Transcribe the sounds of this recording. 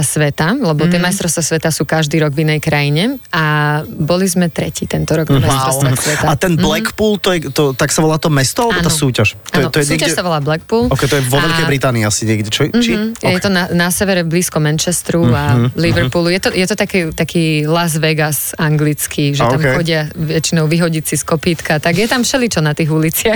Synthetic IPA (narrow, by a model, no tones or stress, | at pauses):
sʋɛt̪alɛbɔt̪ɪɛmajst̪ɾɔst̪ʋasʋɛt̪asuːkaʒd̪iːɾɔɡvinɛjkɾajiɲɛabɔlizmɛt̪ɾɛciːt̪ɛnt̪ɔɾɔɡnamajst̪ɾɔsasʋɛt̪aat̪ɛnblɛkpuːlt̪ɔjɛt̪ɔt̪aksaʋɔlaːt̪ɔmɛst̪ɔalɛbbɔːnt̪aːsuːcaʃtaːɛnɔt̪ɔjɛsuɛːɡcaɛsaʋɔlaːblɛkpuːlɔkɛjt̪ɔjɛʋɔʋɛlkɛjbɾit̪aːniːasiɲɪɛɡɟɛt͡ʃɔt͡ʃijɛɛt̪ɔnanasɛʋɛɾɛvbliːskɔmːɛnt͡ʃɛst̪ɾualiʋɛɾpuːlujɛt̪ɔjɛt̪ɔt̪akɛt̪akʰiːlazʋɛɡasaŋɡlit͡skʰiʒɛamxɔɟɪaʋɛt͡ʃinɔʊʋiɦɔɟit͡siskɔpiːt̪kat̪aɡjɛt̪amfʃɛlit͡ʃɔnat̪iːɣulit͡sɪax